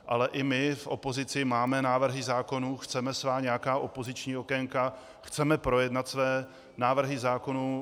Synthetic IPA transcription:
ʔalɛʔɪmɪfʔo̞po̞zɪt͡sɪmaːmɛnaːvr̩ɦɪzaːko̞nuxt͡sɛmɛsvaːɲɛjakaːʔo̞po̞zɪt͡ʃɲiːokɛŋka | xt͡sɛmɛpɾo̞jɛdnat̪svɛː | naːvr̩ɦɪzaːko̞nu

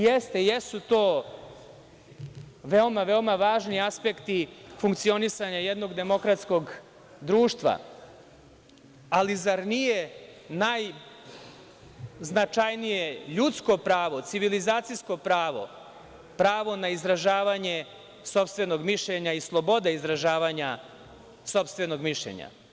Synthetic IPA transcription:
jest̪e̞jesut̪oː | ʋeomaʋeomaʋaːʒniaspe̞kt̪ifuŋkt̪sio̞nisaɲajed̪no̞ɡd̪e̞mo̞kɾat̪sko̞ɡ | d̪ɾuːʃt̪ʋa̰ | alizaɾnije̞naj | znat͡ʃajnijeʎut̪sko̞pɾaːʋo̞t̪siʋilizaːt̪sijsko̞pɾaːʋo̞̰ | pɾaːʋo̞naizɾaʒaːʋaɲe̞ | so̞pst̪ʋe̞no̞ɡmiʃʎeɲaislˠo̞bo̞d̪eizɾaʒaːʋaɲa | so̞pst̪ʋe̞no̞ɡmiʃʎḛɲa̰

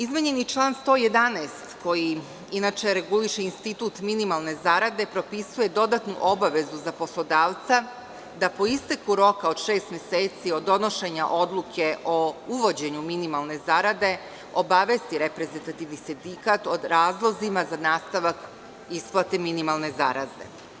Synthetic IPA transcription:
izmeɲe̞nit͡ʃlˠaːnst̪o̞ːje̞d̪anest̪ko̞ji | inat͡ʃe̞ɾe̞ɡuliʃe̞inst̪it̪uːt̪minimalˠne̞zaɾad̪e̞pɾo̞pisuje̞d̪o̞d̪at̪nṵʔo̞baʋe̞zuzapo̞slˠo̞d̪aːʋt̪sa | d̪apo̞ist̪ekuɾo̞kao̞d̪ʃe̞ːst̪mje̞seːt̪sio̞d̪ːo̞no̞ʃe̞ɲaʔo̞d̪lˠukʰe̞ʔo̞uʋo̞d͡ʑe̞ɲuminimalˠne̞zaɾad̪e̞ | o̞baʋe̞st̪iɾe̞pɾe̞zent̪at̪iʋnisind̪ikat̪o̞d̪ɾaːzlˠo̞zimazanaːst̪aʋak | isplˠat̪e̞minimalˠne̞zaɾa̰ze̞̰

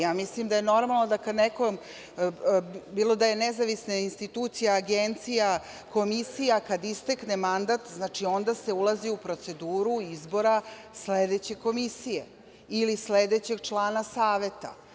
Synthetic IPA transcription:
jaːmislimd̪ajeno̞ɾmalˠno̞d̪akad̪nekom | biːlˠo̞d̪aje̞nezaʋisnainst̪it̪uːt̪sijaːɡent̪sija | ko̞misijakad̪ist̪eknemand̪at̪znaːt͡ʃio̞nd̪ase̞ulaziupɾo̞t̪se̞d̪uːɾuizbo̞ɾa | sled̪et͡ɕe̞ko̞misije | ilisled̪e̞t͡ɕe̞ɡt͡ʂlˠaːnasaːʋe̞t̪a̰

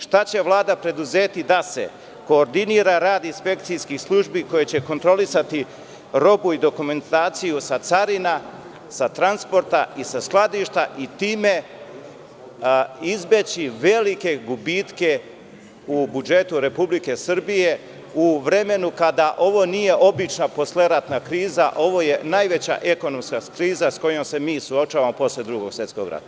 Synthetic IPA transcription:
ʃt̪at͡ɕe̞ʋlˠaːd̪apɾe̞d̪uzet̪id̪ase̞̰ | ko̞ːɾd̪iniːɾaɾaːd̪inspe̞k̚t̪sijskislˠuʒbiko̞jet͡ɕe̞ko̞nt̪ɾo̞lisat̪i | ɾo̞buid̪o̞kume̞nt̪aːt̪sijusat̪saɾina | sat̪ɾanspo̞ɾt̪aisasklˠad̪iʃt̪aʔit̪iːme̞ | izbe̞t͡ɕiʋe̞like̞ɡubiːt̪ke̞ | ubud͡ʒe̞t̪uɾe̞publike̞sɨr̩bije̞ | uʋɾe̞me̞nukad̪aʔo̞ʋo̞nije̞ʔo̞bit͡ʃnapo̞sleɾat̪nakɾiːzaʔo̞ʋo̞je̞najʋe̞t͡ɕa̰ʔe̞ko̞no̞mskakɾiːzasko̞jo̞mse̞miːsuo̞t͡ʃaːʋamo̞po̞sled̪ɾuɡo̞ɡ̥sʋje̞t̪sko̞̰ɡɾa̰t̪a

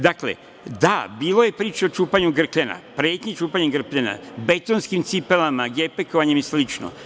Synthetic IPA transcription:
d̪aklḛ | d̪abiːlo̞je̞pɾiːt͡ʃeo̞t͡ʃuːpaɲuɡr̩kʎena̰pɾe̞ːt̪ɲet͡ʃuːpaɲeɡr̩pʎena̰be̞t̪onskimt̪sipelamaɡepekoʋaɲemjeslit͡ʃno̰

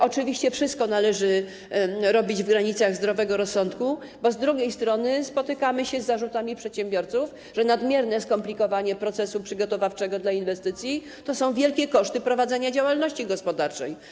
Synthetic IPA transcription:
ʔɔt͡ʂɘvʲiɕt͡ɕɛfʂɨst̪̚kɔnalɛʐɘ | ɾɔbʲid͡ʑvɡɾaɲit̪saɣzd̪ɾɔvɛɡɔɾɔsːɔnt̪ku | bɔzd̪ɾuɡʲejst̪ɾɔnɘspɔt̪ɘkamɘɕɛzːaʐut̪amʲipʂɛt̪ɕɛmbʲjɔɾt̪suf | ʐɛnad̪mʲjɛɾnɛskɔmplʲikɔvaɲɛpɾɔt̪sɛsupʂɘɡɔt̪ɔvaft͡ʂɛɡɔd̪lainvɛst̪ɘt̪sʲji | t̪ɔsɔ̃w̃vʲjɛlkʲɛkɔʂt̪ɘpɾɔvad̪zɛɲad͡ʑawalnɔɕt͡ɕiɡɔspɔd̪aɾt͡ʂɛ̰j

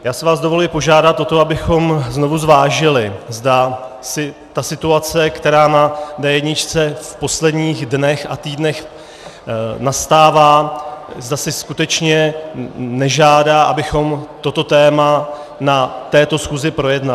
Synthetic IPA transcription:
jaːsɪvaːzdo̞vo̞lʊɪpo̞ʒaːdat̪ʔo̞t̪o̞abɪxo̞mzno̞vuzvaːʒɪlɪzda | sɪt̪asɪt̪uat͡sɛkt̪ɛɾaːnadɛjɛdɲɪt͡ʃt͡sɛfpo̞slɛdɲiːɣdnɛxa̰t̪iːdnɛx | nast̪aːvaːzdasɪskut̪ɛt͡ʃɲɛ | nɛʒaːdaːʔabɪxo̞mt̪o̞t̪o̞t̪ɛːma | nat̪ɛːt̪o̞sxuːzɪpɾo̞jɛdna

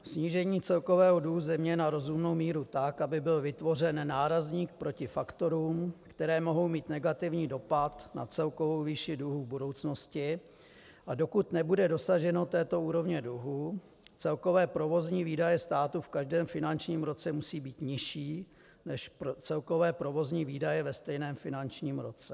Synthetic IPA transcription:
sɲiːʒɛɲiːt͡sɛlko̞vɛːɦoduɦuzɛmɲɛnaɾo̞zumno̞wmiːɾut̪akʔabɪbɪlvɪt̪vo̞r̝ɛnːaːɾazɲiːk̚pɾo̞cɪfakt̪o̞ɾuːmkt̪ɛɾɛːmo̞ɦo̞wmiːt̪nɛɡat̪ɪvɲiːdo̞pat̪na̰t͡sɛlko̞vowviːʃɪduɦuvbudo̞wt͡sno̞scɪ | ʔado̞kut̪nɛbudɛdo̞saʒɛno̞t̪ɛːt̪o̞uːɾo̞vɲɛduɦu | t͡sɛlko̞vɛːpɾo̞vo̞zɲiːviːdajɛst̪aːt̪ufkaʒdɛːmfɪnant͡ʃɲiːmɾo̞t͡sɛmusiːbiːt̪ɲɪʃiː | nɛʃt͡sɛlko̞vɛːpɾovo̞zɲiːviːdajɛvɛst̪ɛjnɛːmfɪnant͡ʃɲiːmɾo̞t͡sɛ

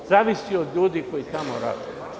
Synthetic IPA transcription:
zaːʋisiod̪ʎuːd̪iko̞jit̪amo̰ɾa̰ːd̪ḛ

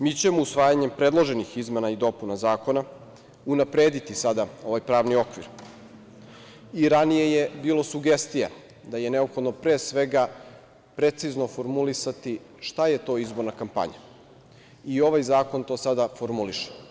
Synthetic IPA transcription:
mit͡ɕe̞mousʋaːjaɲempɾe̞d̪lˠo̞ʒe̞nixizme̞naid̪o̞punazaːko̞na | unapɾe̞ːd̪it̪isad̪ao̞ʋajpɾaːʋnio̞kʋḭɾ | iɾanije̞je̞biːlˠo̞suɡe̞st̪ija̰ | d̪aje̞ne̞o̞pxo̞d̪nopɾeːsʋe̞ɡa | pɾe̞t̪sizno̞fo̞ɾmulisat̪i | ʃt̪aje̞t̪o̞ːizbo̞ɾnakampa̰ɲa̰ | io̞ʋajzaːko̞nt̪o̞ːsad̪afo̞ɾmuliʃe̥

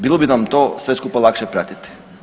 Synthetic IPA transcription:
bilˠobinamt̪o̞sʋe̞skuːpalˠakʃepɾat̪it̪i̥

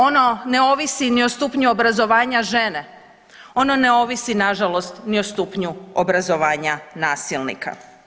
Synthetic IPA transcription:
ono̞ne̞o̞ʋisiniost̪upɲuobɾazo̞ʋaːɲaʒe̞ne̞ | o̞no̞ne̞o̞ʋisinaʒalo̞st̪niost̪upɲuobɾazo̞ʋaːɲanaːsilˠnḭkʰa̰

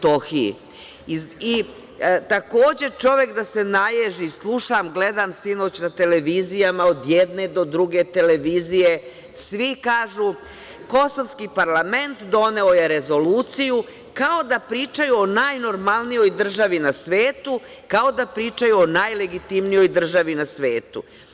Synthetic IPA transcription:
t̪oxiḭ | i | t̪ako̞ːd͡ʑe̞t͡ʃo̞ʋe̞kd̪ase̞najeʒislˠuʃamɡled̪amsino̞ːt͡ɕnat̪e̞le̞ʋizijamaod̪jɛd̪ne̞d̪o̞d̪ɾuɡe̞t̪e̞le̞ʋizije̞ | sʋikaːʒu | ko̞soʋskipaɾlˠame̞nt̪d̪o̞ne̞oje̞ɾe̞zo̞luːt̪siju | kao̞d̪apɾiːt͡ʃajuonaːjno̞ɾmalˠnijo̞jd̪r̩ʒaʋinasʋeːt̪u | kao̞d̪apɾiːt͡ʃajuonajle̞ɡit̪imnijo̞jd̪r̩ʒaʋinasʋe̞ːt̪ṵ

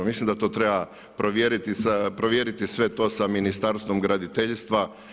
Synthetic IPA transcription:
mislˠimd̪at̪o̞ːt̪ɾe̞ba | pɾoʋjeɾit̪isapɾoʋjeːɾit̪isʋe̞t̪o̞ːsaminist̪aɾst̪ʋo̞mɡɾad̪it̪eʎst̪ʋa

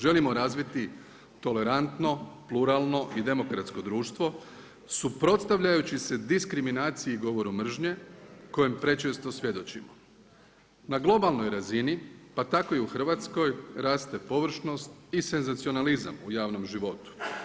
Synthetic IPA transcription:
ʒe̞limo̞ɾaːzʋit̪i | t̪o̞le̞ɾant̪no̞pluɾalˠno̞ʔid̪e̞mo̞kɾat̪sko̞d̪ɾuːʃt̪ʋo̞ | supɾo̞t̪st̪aʋʎajut͡ɕise̞d̪iskɾiminaːt̪sijeiɡo̞ʋo̞ɾumr̩ʒɲe̞ko̞jempɾe̞t͡ʃest̪o̞sʋje̞d̪o̞t͡ɕḭmo | naɡlˠo̞balˠno̞jɾazinipat̪ako̞iuxr̩ʋat̪sko̞jɾaːst̪e̞po̞ʋr̩ʃno̞st̪ise̞nzat̪sio̞naliza̰mujaːʋno̞mʒiʋo̞t̪u̥

